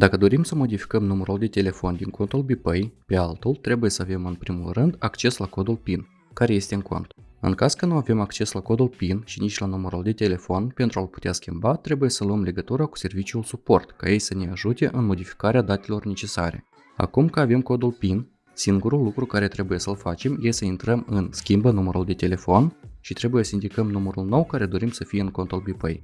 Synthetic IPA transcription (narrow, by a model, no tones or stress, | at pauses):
d̪akəd̪o̞ɾimsəmo̞d̪ifi̥kəmnuməɾuld̪e̞t̪e̞le̞fo̞nd̪iŋko̞nt̪ulbipəjpe̞alt̪ult̪ɾe̞buje̞səave̞mɨnpɾimulrɨnd̪akt͡ʃe̞slako̞d̪ulpin | kaɾe̞je̞st̪e̞ɨŋko̞̰nt̪ɨ̰ŋkaskənuave̞makt͡ʃe̞slako̞d̪ulpinʃinit͡ʃʲlanuməɾuld̪e̞t̪e̞le̞fonpe̞nt̪ɾualpu̥t̪easkʲimbat̪ɾe̞buje̞səluəmle̞ɡət̪uɾaku̥se̞rvit͡ʃiulsupo̞rt̪kaje̞jsəne̞aʒut̪e̞ʔɨnmo̞d̪ifi̥kaɾead̪at̪e̞lo̞rne̞t͡ʃe̞sa̰ɾe̞̰ | a̰kumkaave̞mko̞d̪ulpin | siŋɡuɾulːukɾukaɾe̞t̪ɾe̞buje̞səlfat͡ʃe̞mjesəint̪ɾəmɨnskʲimbənuməɾuld̪e̞t̪e̞le̞fo̞nʃit̪ɾe̞buje̞səind̪ʲikəmnuməɾulno̞wkaɾe̞d̪o̞ɾimsəfijeɨŋko̞nt̪ulbipə̰j